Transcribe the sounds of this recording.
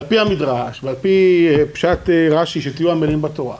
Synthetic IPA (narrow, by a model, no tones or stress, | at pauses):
alpihamid̪ʁaʃvealpipʃat̪eʁaʃiʃet̪ijuamelimbat̪o̞ʁa̰